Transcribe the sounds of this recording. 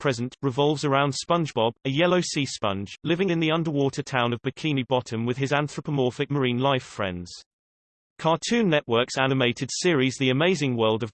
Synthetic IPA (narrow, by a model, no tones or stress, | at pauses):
pʰɹ̥ɛzə̃nʔɹɪvɒlˠvzəɹãʊ̃nd̥spʌ̃nd͡ʒbɒbəjɛləʊsiːspʌ̰̃nd͡ʒlɪvɪ̃ŋɪ̃nðiʌ̃ndəwɔˑtʰətʰãʊ̃nəvbəkʰĩnibɒtʰə̃mwɪð̥ɪzãnθɹəpəmɔˑfɪk̚məɹĩːnlaɪfɹɛ̰̃ndz̥ | kʰɑːˑtʰʉ̃ːnːɛʔwɜˑ˞ksanɪmeɪtʰɪd̥sɪəɹizðiəmeɪzɪ̃ŋwɜːlˠdəv